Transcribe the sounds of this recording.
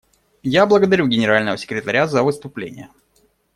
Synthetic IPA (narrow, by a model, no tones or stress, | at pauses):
jablˠəɡəd̪ɐɾʲuɡʲɪnʲɪɾalʲnəvəsʲɪ̥kɾʲɪt̪ɐɾʲazəvɨst̪ʊplʲḛnʲɪ̰jə